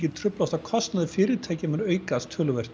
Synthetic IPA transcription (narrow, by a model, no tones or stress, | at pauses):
cɪt̪ʰɾʏplɔwst̪akʰɔst̪naðɪfɪːɾɪɾt̪ʰeːjcɪmɛnœːɥkast̪ʰœːlʏvɛr̥t̪